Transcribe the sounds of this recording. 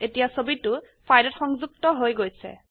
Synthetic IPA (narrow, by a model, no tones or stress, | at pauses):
etijasobitʊ | pʰajdɔtxɔŋzuk̚tɔɦojɡojsɛ̰